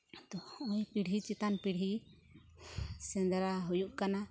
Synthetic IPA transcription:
t̪ɔɔjpiɽit͡ʃit̪anpiɽɦi | sɛ̃nd̪ɾaɦujuʔkana

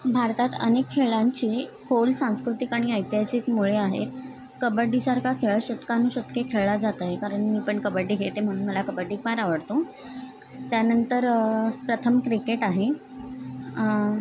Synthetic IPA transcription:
bʱaɾt̪at̪ə̰nekʰːeɭãɲt͡ɕiːkʰolsãskɾut̪ikaɽ̃iəjt̪jasiːkmuɭeaɦḛt̪ | kəbəɖisaɾkakʰeɭɕət̪kanuːɕət̪kekʰeɭɭad͡zat̪aɦekaɾəɳmiːpəɳkəbəɾɖiɡʱet̪em̤əɽ̃ũːnməlakəbəɖikmaɾaʋəɽt̪õ | t̪janənt̪əɾpɾət̪ʰəmkɾikeʈaɦe

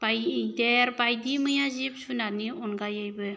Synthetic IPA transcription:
b̥ajdeɾbajdimɯjazip̚sunaniɔnɡajajbɯ

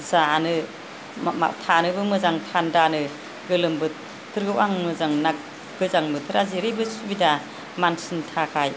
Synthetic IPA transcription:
zanɯ | mma̰tʰanɯbɯmɯzaŋtʰandanɯ | ɡɯlɯmbɯ | tʰɯɾɡɯwaŋmɯzaŋnak̚ | ɡɯzaŋmɯtʰɯɾaziɾɯjbɯsubida | mansɯntʰakʰaj

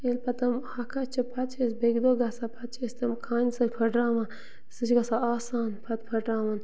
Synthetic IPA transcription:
elpʰɐt̪ɐmhɐkʰat͡ʃʰɐpʰɐt̪t͡ʃʰesbeɡd̪oːɡɐsapʰɐt̪t͡ʃʰest̪ɐmkʰaːnʲsɐpʰɐʈɾaːʋɐn | sɨt͡ʃʰɡasaaːsaːnpʰɐt̪pʰɐʈɾaːʋɐn

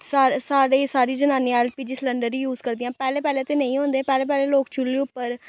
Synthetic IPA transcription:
saːsaːɾeːsaːɾiːd͡ʒənaːniãɛːlpiːd͡ʒɪsləɳɖəɾːiːjuːzkəɾd̪ijãːpɛːleːpɛːleːt̪eːnəĩːɦõːnd̪eːpɛːleːpɛːleːloːkt͡ʃʰʊlːeːʊpːəɾ

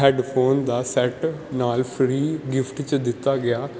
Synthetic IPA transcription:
ɛːɖpʰoːnd̪aːsɛʈnaːlpʰɾiːɡɪfʈt͡ʃd̪ɪt̪ːaːɡɪaː

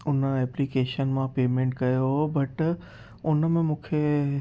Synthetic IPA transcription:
ʊnəɛːplikeːʃənmãpeːmẽːɳʈkɐjobɐʈ | ʊnəmẽmũːkʰe

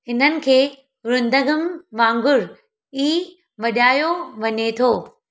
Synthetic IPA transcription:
hɪn̤ənɪ̆kʰeː | ɾʊ̃nd̪ʱəɡəmʋãːŋɡʊɾ | iː | ʋɐɗaːjoʋɐɲet̪ʰoː

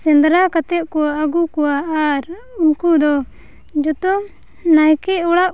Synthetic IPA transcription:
sɛnd̪ɾakat̪ɛʔ̪̚kɔwaaɡukɔwaaɾ | unkud̪ɔ | d͡ʒɔt̪ɔ | najkɛɔɽaʔ

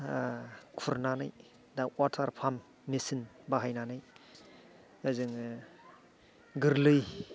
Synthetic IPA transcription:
kʰuɾnanɯj | dawatʰaɾpʰamː | isinbaɦajnanɯj | ɯzɯŋ | ɡɯɾlɯj

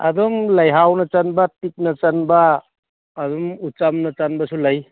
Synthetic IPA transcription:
a̰dɔŋlajɦawnɐt͡ʃanbatik̚nat͡ʃanbaː | dɔŋut͡ʃamnat͡ʃanbasulaj

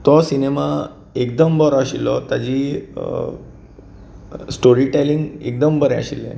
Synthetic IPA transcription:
t̪ɔsinema | ek̚d̪əmbəɾɔaɕilːɔt̪ad͡ʑiː | sʈoɾiʈeliŋɡek̚d̪əmbəɾɛ̃ə̰ɕilːɛ̰̃

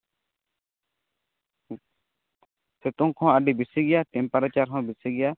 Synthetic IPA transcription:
set̪ɔŋkʰɔ̃aɖibisiɡɛjaʈɛmpaɾat͡ʃaɾkʰɔ̃bisiɡɛja

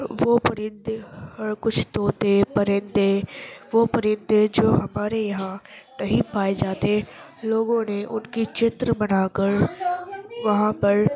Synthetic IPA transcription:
ʋoːpɐɾɪ̃nd̪ehɐɾkʊt͡ʃʰt̪oːt̪epɐɾɪ̃nd̪eʋoːpɐɾɪ̃nd̪ed͡ʒoːɦɐmaːɾejɐɦãnɐɦĩpaːed͡ʒaːt̪e | loːɡõneʔʊnkit͡ʃɪt̪ɾəbɐnaːkəɾ | ʋɐɦãpɐɾ

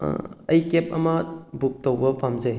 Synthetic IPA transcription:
ɐjkep̚ɐ̰mɐbuk̚towbɐpʰamd͡ʒej

